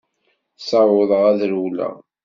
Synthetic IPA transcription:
sɑwʊðˤəʁæðɾuwlæ̰

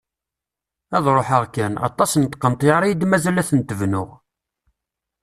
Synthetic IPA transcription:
æðˤɾˤoħəʁkːænɑ̰t̪ˤːɑsnt̪qːənt̪ˤjɑɾˤiid̪mæzælæθənt̪əvnʊʁ

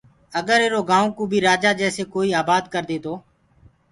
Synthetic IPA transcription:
əɡəɾeːɾoːɡaːõːkũːbʱiːɾaːd͡ʒaːd͡ʒɛːseːkoːiːaːbaːd̪kəɾd̪eːt̪oː

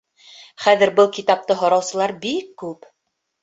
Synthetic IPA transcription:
χæðɘ̆ɾbɤlˠkit̪ɑp̚t̪ɤɦŏɾɑwsɤ̆lˠɑɾbikːʉp

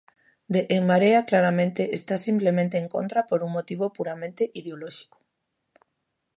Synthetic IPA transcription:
d̪eʔːŋmaɾeaklaɾamẽnt̪eʔest̪asimplemẽnt̪eːŋko̰nt̪ɾapoɾuŋmot̪iβ̞opuɾamẽnt̪eʔiðeolɔʃi̥ko̥

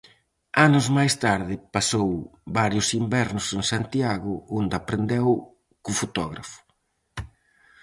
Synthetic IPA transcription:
anʊzmajst̪aɾðɪpasowbaɾjʊsimbɛɾnʊsensant̪iaɣʊond̪apɾend̪ɛw | kʊfot̪ɔɣɾafʊ̥

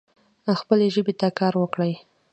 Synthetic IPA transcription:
axpəleʒəbet̪akɑɾwəkɽəj

